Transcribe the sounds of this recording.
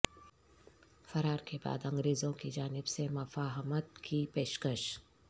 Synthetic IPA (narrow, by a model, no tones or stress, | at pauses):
fɐɾaːɾkeba̰ːd̪ɐ̃ŋɡɾeːzõkid͡ʒaːnɪbsemɐfaːɦmət̪kʰipeːʃkəʃ